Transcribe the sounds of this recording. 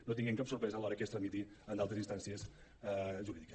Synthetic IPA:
not̪iŋɡɛmŋkapsuɾpɾɛzəːlɔɾəkest̪ɾəmit̪i | ənd̪alt̪əzinst̪ansiəs | ʒuɾiðikə̥

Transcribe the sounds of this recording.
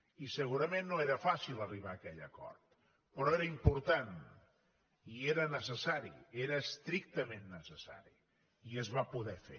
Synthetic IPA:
isəɣuɾəmẽnːoeɾəfasilˠəriβ̞aːkɛʎəkɔ̰ɾt̪ | pɾɔeɾəimpuɾt̪an | ieɾənəsəsaɾḭeɾəːst̪ɾik̚t̪əmenːəsəsa̰ɾḭ | iəzβapuðɛfḛ

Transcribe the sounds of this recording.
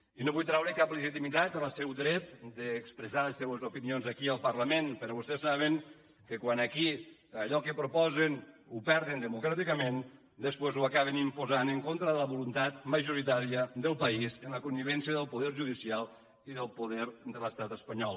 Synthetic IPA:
inoβujt̪ɾawɾekapləʒit̪imit̪at̪ələsɛwd̪ɾɛt̪d̪əːkspɾəzaləsːɛwəzupinionzakiəlˠpəɾləmenpəɾɔβust̪ɛsːaβ̞eŋ | kəkwanakiaʎɔkəpɾupɔzenupɛɾðend̪əmukɾat̪ikəmen | d̪əspwezuakaβenimpuzanəŋkont̪ɾəðələβulunt̪at̪məʒuɾit̪aɾiəðəlˠpɐizənləkumiβ̞ɛnsjəðəlˠpuðɛɾʒuðisialˠ | iðəlˠpuðɛɾd̪ələst̪at̪əspəɲɔlˠ

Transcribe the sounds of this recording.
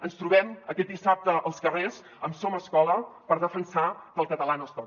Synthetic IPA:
ənst̪ɾuβɛməkɛt̪̚d̪isap̚t̪əʔəlˠskərez | əmsoməskɔləpəɾðəfənsakəlˠkət̪əlanəst̪ɔ

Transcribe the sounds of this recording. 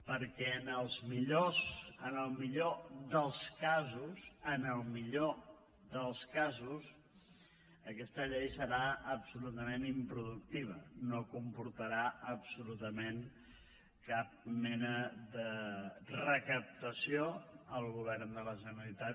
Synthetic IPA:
pəɾkɛənəlˠzmiʎozənəlˠmiʎoðəlˠskazuzənəlˠmiʎo | ðəlˠskazus | əkɛst̪əʎɛjsəɾaəpsulut̪əmenimpɾuðuk̚t̪iβ̞ənokumpuɾt̪əɾaəpsulut̪əmen | kap̚mɛnədərəkəp̚t̪əsioəlˠɣuβ̞ɛrnd̪ələʒənəlit̪a

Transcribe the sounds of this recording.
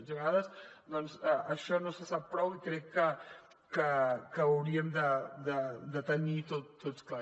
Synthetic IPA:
ʒeɣaðɐsd̪ɔnzɛʔɐʃɔnosəsap̚pːɾɔwikɾɛkːə | kəkəːwɾiəmd̪əd̪əd̪ət̪ənit̪ott̪ːot̪skla

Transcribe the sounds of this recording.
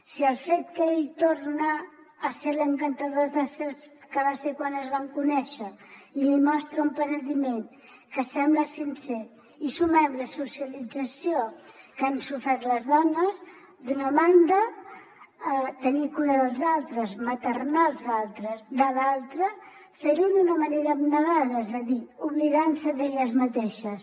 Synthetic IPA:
siəlˠfet̪kəeʎt̪oɾnəː | seɾləŋkənt̪əðozðəsekəβaseɾkwanəzβaŋkunɛʃəilimɔst̪ɾəumpənəðimen | kəsɛmbləsinsɛɾ | isumɛmləsusiəlid͡zəsiokansufɛɾt̪ləzðɔnəs | d̪unəmand̪ə | t̪ənikuɾəðəlˠzalˠt̪ɾəzmət̪ərnalˠzalˠt̪ɾəzd̪əlalˠt̪ɾə | feɾuðunəməneɾəːbnəɣaðəezəðiuβliðansəðeʎəzmət̪eʃəs

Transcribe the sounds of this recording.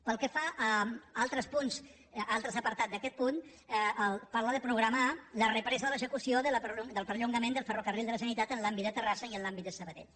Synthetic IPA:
pəlˠkəfaʔalˠt̪ɾəspunz | alˠt̪ɾəzəpəɾt̪at̪zd̪əkɛt̪̚pun | əlpaɾlaðəpɾuɣɾəmalərəpɾɛzəðələzəkusioðələpɾud̪əlˠpəɾʎuŋɡəmend̪əlˠfərokərilˠd̪ələsənit̪at̪ənlambit̪d̪ət̪ərasəiənlambit̪̚d̪əsəβəðɛ̰ʎ

